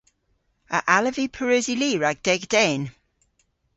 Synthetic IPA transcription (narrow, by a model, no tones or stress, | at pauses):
ə̰ʔaləvipʰəɹøːziliːɹaɡ̚d̥ɛɡd̥ɛn